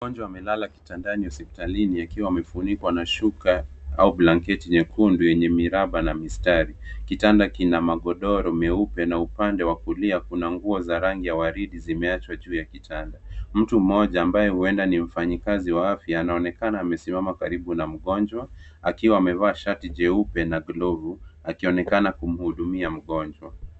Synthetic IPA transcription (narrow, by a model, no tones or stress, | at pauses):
ɡɔnd͡ʒwaːmɛlalaki̥tandaniwasɛpi̥taliniakiwaːmɛfunikwanaʃuka | aublaŋkɛtiɲɛkʰundujɛɲɛmiɾaɓanamistaɾikitandakinamaɠɔɗɔɾɔmɛupɛnaupandɛwakuliakunaŋɡuɔzaɾaŋɡijawaɾiɗizimɛat͡ʃwaʄuːjakitʰandam̩tum̩ɔʄaːmbajɛhuɛndanim̩faɲikaziwaafjaːnaɔnɛkanaːmɛsimamakaɾiɓunam̩ɠɔnd͡ʒwaakiwaːmɛvaːʃatiʄɛupɛnaɡlɔvuakiɔnɛkanakum̩huɗumiam̩ɠɔnd͡ʒwa